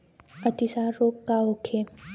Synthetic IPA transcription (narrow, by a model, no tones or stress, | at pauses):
ət̪isaɾːoːkːaokʰe